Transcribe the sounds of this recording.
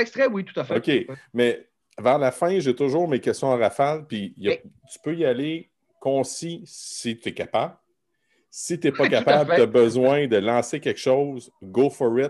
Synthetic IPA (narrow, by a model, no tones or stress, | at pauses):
ɛkst̪ʁɛwit̪u̥t̪afokʲemɛ | vɛʁlafɛ̃ʒet̪ʊʒuːʁmekʲɛst̪jɔ̃ɑ̃ʁafalpijət̪y̥pøjale | kɔ̃sisit̪yɛkapabl | sit̪yɛpʌkapabt̪əbəzwɛ̃d̪əlɑ̃sekʲɛkʃɔwz | ɡofɔʁɪt̪